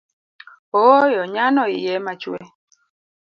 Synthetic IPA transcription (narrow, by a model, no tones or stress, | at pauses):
ojɔɲanɔijɛmat͡ʃwɛ